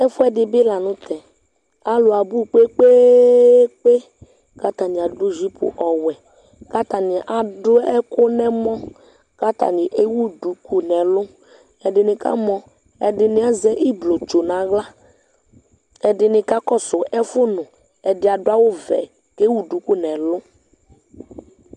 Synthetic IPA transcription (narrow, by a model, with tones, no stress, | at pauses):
ɛ˦fʊ˦ɛ˦dɪ˨bɪ˦la˨nʊ̃˦t̪ɛ˨ | a˨lʊ˨a˨bu˦˨k͡pe˦k͡pe˦ | k͡pe˦ | ka˦t̪a˨nɪ˨a˨dʊ˦˨ʒi˦pʊ̰˨ʔɔ˨wɛ˨ | ka˦t̪a˨nɪ˨ʔa˨dʊ˦ɛ˦kʊ˦nɛ˦mɔ̃˦ | ka˦t̪a̰˨nɪ̃˨ʔe˦wu˦du˨ku˨nɛ˨lʊ˦ | ɛ˨dɪ˨nɪ̃˨ka̰˦mɔ̃˨ | ɛ˨dɪ˨nɪ˦a˦zɛ˦ʔi˦blo˨t͡ʃo˨nã˨˦ɣla˦ | ɛ˨dɪ˨nɪ̃˨ka˦kɔ˦sʊ˨ɛ˦fʊ˦nʊ̃˨ | ɛ˨dɪ˨˦a˨dʊ˦a˦wʊ˦vɛ̰˨ | ke˦wu˦du˨˦ku˦nɛ̃˨lʊ˦